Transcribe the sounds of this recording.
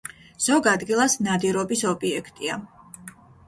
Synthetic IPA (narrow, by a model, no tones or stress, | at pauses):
z̥ɔɡad̪ɡilˠasnad̪iɾɔbisɔbʼiɛkʰt̪ʼia